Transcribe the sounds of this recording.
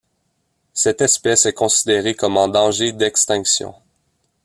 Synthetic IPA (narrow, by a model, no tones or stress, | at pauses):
sɛt̪ɛspɛsɛkɔ̃sid̪eʁekɔmɑ̃d̪ɑ̃ʒed̪ɛkst̪ɛ̃ksjɔ̰̃